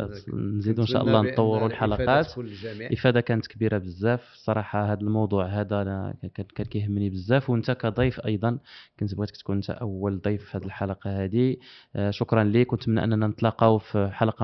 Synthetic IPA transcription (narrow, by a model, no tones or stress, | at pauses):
nzid̪unʃæ̰ʔɑlˤːɑnt̪ˤːɑwːəɾulħalɑqɑt̪ʔəfæd̪ækænət̪kbiɾabəzːæfsˤɑɾˤɑħɑɦæd̪əlmɑwd̪ˤuʕɦæd̪æ | kænkæjhəmːnibəzːæfwənt̪ækæd̪ˤɑjfʔɑ̰jd̪ˤɑnkænt̪əbɣit̪kt̪kunənt̪æ̰ʔəwːəld̪ˤijfhæd̪əlħalɑqɑhæd̪iʃʊkɾˤɑnlikʊnt̪mənʔə̰nːænænət̪ˤlɑqɑwfħalɑqɑ